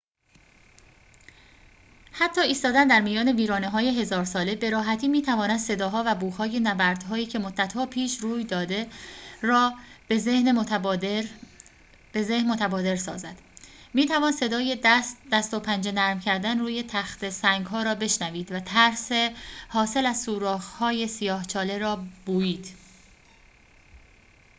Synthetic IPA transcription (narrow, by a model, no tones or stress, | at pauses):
hæt̪ʰːɒːiːst̪ɒːd̪ænd̪æɾmijɒːne̞viːɾɒːneɦɒːje̞ɦe̞zɒːɾsɒːle̞be̞ɾɒːɦæt̪ʰiːmiːt̪ʰævɒːnæd̪se̞d̪ɒːɦɒːvæbuːhɒːje̞næbæɾd̪̥ɦɒːiːcʰe̞mod̪ːæt̪hɒːpʰiːʃruːjd̪ɒːd̪e̞ɾɒːbzehne | be̞zehnmot̪ʰæbɒːd̪e̞ɾsɒ̰ːzæd̪̥ | miːt̪ʰævɒːnse̞d̪ɒːje̞d̪̥æst̪opʰænd͡ʒe̞næɾmcʰæɾd̪ænruːje̞t̪ʰæxt̪e̞sæŋɡɦɒːɾɒːbe̞ʃnæviːd̪væt̪ʰæɾsehɒːse̞læzsuːɾɒːxhɒːje̞sijɒːht͡ʃʰɒːle̞ɾɒːb̥uːjiːd̪̥